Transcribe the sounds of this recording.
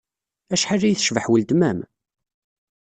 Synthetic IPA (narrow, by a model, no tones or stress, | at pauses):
æʃħarːijθəʃvəħwəld̪mæm